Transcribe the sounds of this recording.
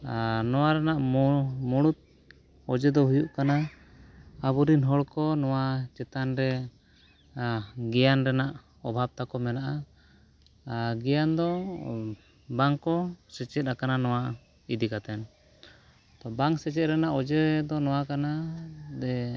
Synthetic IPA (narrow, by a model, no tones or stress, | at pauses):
nɔwaɾɛnaʔmuɽut̪̚ | ɔd͡ʒɛd̪ɔɦujuʔkana | abuɾinɦɔɽkɔnɔwat͡ʃɛt̪anɾɛ | ɡɛjanɾɛnaʔ | ɔbʱab̚t̪akɔmɛnaʔa | ɡɛjand̪ɔ | baŋkɔsɛt͡ʃɛt̪̚ɾakananɔwa | id̪ikat̪ɛn | t̪ɔbaŋsɛt͡ʃɛt̪̚ɾɛnaʔɔd͡ʒɛd̪ɔnɔwakanad̪ɛ